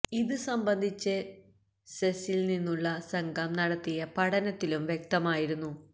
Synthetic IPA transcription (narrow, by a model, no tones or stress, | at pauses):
iðɨsɐmbɐnd̪ʱit͡ɕːɨ | sesilninːuɭːɐsɐŋɡʱɐmnɐɽɐt̪ːijɐpɐɽɐnɐt̪ːilumʋjek̚t̪ɐmaːjiɾunːu